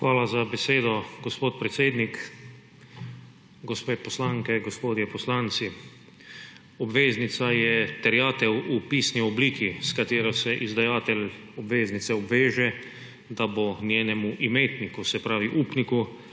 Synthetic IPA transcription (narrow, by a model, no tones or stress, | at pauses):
xʋaːlazabɛseːd̪ɔɡospoːt̪̚pɾɛt̪seːd̪nik | ɡospeposlaːŋkɛɡospoːd̪jɛpɔslaːnt̪si | ɔbʋeːznit̪sajɛt̪ɛɾjaːt̪ɛwupiːsniɔbliːkʰiskat̪eːɾɔsɛʔizd̪ajaːt̪ɛl | ɔbʋeːznit̪sɛɔbʋeːʒɛ | d̪abonjeːnɛmuʔimeːt̪nikusɛpɾaːʋiʔuːpniku